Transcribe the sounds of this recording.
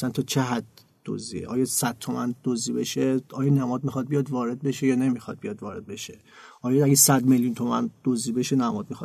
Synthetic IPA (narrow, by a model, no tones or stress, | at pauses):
sænt̪ʰɒt͡ʃʰe̞ɦæd̪ː | o̰zḭḛʔɒːjɒsæd̪̥̚t̪ʰːomænd̪̥ozibe̞ʃeɒːjɒːnæmɒːd̪̚mixɒd̪̚bijɒd̪vɒːɾe̞d̪̚beʃejɒːnemixɒd̪̚bijɒːd̪vɒːɾe̞d̪̚be̞ʃe | ʔɒːjɒæɡʲesæd̪meljunt̪ʰo̞mænd̪̥ozibeʃenæmɒːd̪̚mixɒ